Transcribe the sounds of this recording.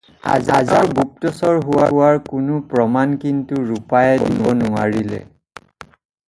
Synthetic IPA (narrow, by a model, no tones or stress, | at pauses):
a̰za̰zaɹɡuk̚tɔsɔɹɦʊwawaɹkʊnʊpɹɔmankintuɹupajɛdinɔnʊa̰ɹilɛ̰